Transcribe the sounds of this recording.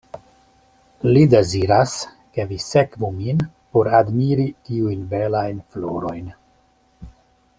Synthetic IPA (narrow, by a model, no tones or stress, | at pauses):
lide̞ziɾas | ke̞vise̞kvumin | po̞ɾadmiɾitiujnbe̞lajnflo̞̰ɾo̞jn